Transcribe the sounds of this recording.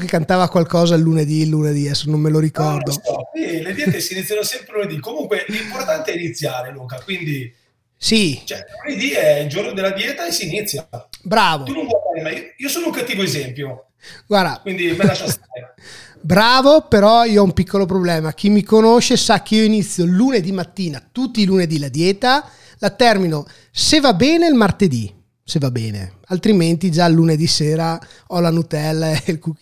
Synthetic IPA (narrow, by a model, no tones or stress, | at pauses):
kekːant̪aːvakwalkɔːzalːuned̪ilːuned̪iɛsːonomːeloɾikɔrd̪oɔsiled̪jɛːt̪esiːnit̪sjanosɛmpɾeluned̪ikːomuŋkwelimport̪ant̪eɛinit̪sːjaːɾelukakwind̪i | sit͡ʃɛluned̪iɛild͡ʒornod̪elːad̪jɛːt̪aesːiːnit̪sːjabɾaːvot̪unõmpajfaɾemaiiːosoːnouŋkat̪ːiːvoezɛmpjo | ɡwaɾd̪akwind̪imelasast̪a | bɾaːvopeɾɔiːoɔumpikʰːolop̬ɾoblɛːmak̟imːikonoʃesak̟ːeioinit̪sːjolːuned̪imat̪ːiːnat̪ut̪ːiːluned̪ilad̪jɛːt̪a | lat̪ɛrmino | sevabɛːneilmart̪ed̪i | sevabɛːnḛalt̪ɾiment̪id͡ʒalːuned̪iseːɾaɔlanut̪ɛlːaeelkuk